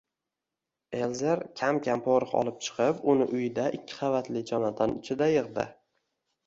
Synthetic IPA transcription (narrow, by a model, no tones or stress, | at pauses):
e̞lzeɾkʲʰamkʲʰampʰoɾɨqɒ̰lˠɪp̚t͡ʃʰɨ̥qʰɨpʊnɪʔʊjɪd̪aʔɪkʲʰːɪ̥χɑvat̪lɪd͡ʒɒnad̪ɒnɪt͡ʃʰɪd̪ajɨʁd̪ɪ̰